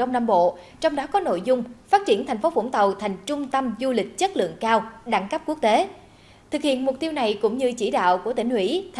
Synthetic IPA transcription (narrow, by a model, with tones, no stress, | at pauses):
ə˧wŋ͡mnaː˧mɓo̰˧˨ | t͡ɕɔ˧wŋ͡mɗɔ˨˦kɔ˨˦no̰˧˨jzʊ˧ŋ͡mfaː˦˥t̚t͡ɕi˧˩ənt̪ʰjŋ̟fo˨˦fṵ˧˥ŋ͡mt̪ə˨˩wt̪ʰa˨˩jŋ̟t͡ɕʊ˧ŋ͡mt̪ə˧mzu˧lï˨˩k̟̚t͡ɕə˦˥t̚lɨ̰˧˨əŋkaː˧wɗa˧˥ŋkə˦˥p̚ku˦˥ək̚t̪e˨˦ | t̪ʰɨ˨˩k̚hḭ˧˨ənmʊ˨˩k͡p̚t̪i˧wna˨˩jkʊ̰˧˥ŋ͡mɲɨ˧t͡ɕi˧˩ɗa̰ː˧˨wkət̪ï˧˩ŋ̟hwḭ˧˥t̪ʰ